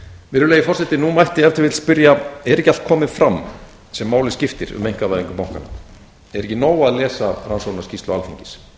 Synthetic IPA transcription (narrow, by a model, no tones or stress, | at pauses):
vɪɾʏleːjɪfɔr̥sɛt̪ɪnumajht̪ɪɛft̪ɪɾvɪt̪spʏɾjaɛɾɛhcal̥t̪̚kʰɔːmɪðfɾamː | sɛmːaːwlɪscɪft̪ɪɾʏ̰mejŋ̥kavajðiŋkʏpawŋkana̰ | ɛɾɛhcːɪnoːwaðlɛːsaransownḁscist̪lʏaalθiɲcɪ̥s